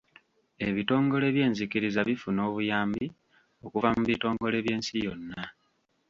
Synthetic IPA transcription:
e̞βito̞ːŋɡo̞le̞βje̞ːnzikiɾizaβifuno̞ːβujaːmbi | o̞kuvamuβito̞ːŋɡo̞le̞βje̞ːnsijo̞nːa

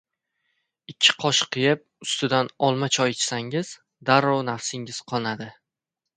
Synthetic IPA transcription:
ɪkʲʰːɪ̥qʰɒʃqʰɨjɪp̚ʊst̪ɪd̪anɒlˠmat͡ʃʰɒjt͡ʃʰɪ̥saŋɪz̥ | d̪aɾɒwnafsɪŋɪz̥qʰɒlˠnad̪ɪ

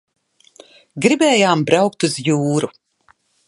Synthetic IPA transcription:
ɡɾibɛːjaːmbɾawk̚t̪uzjuːɾu

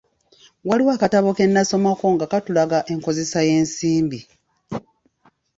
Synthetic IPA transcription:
waliwaːkataβo̞ke̞nːaso̞mako̞ŋɡakatulaɡaʔe̞ŋko̞ze̞saje̞ːnsiːmbi

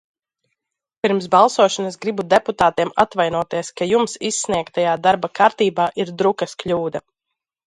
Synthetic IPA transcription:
pʲiɾmsbalˠsuɔʃanasɡɾibud̪eput̪aːt̪iɛma̰t̪vajnuɔt̪iɛskajumsisːniɛkt̪ːajaːd̪aɾbakaɾt̪iːbaːʔiɾd̪ɾukɐskʎʲuːd̪ɐ

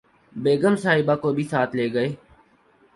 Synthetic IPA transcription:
beːɡəmsaːɦɪbaːkoːbʱiːsaːt̪ʰleːɡəeː

